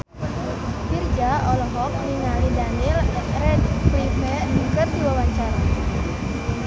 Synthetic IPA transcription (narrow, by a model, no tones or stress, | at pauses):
bird͡ʒaɔlɔɦɔk̚niŋalidanɪlrɛtpɾimɛdukərd̪iwawaɲt͡ʃaɾa